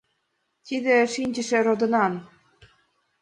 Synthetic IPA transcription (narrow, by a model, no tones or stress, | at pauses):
t̪ʲid̪ʲĕʃinʲd͡ʑə̆ʃĕɾod̪ɤ̆nɑn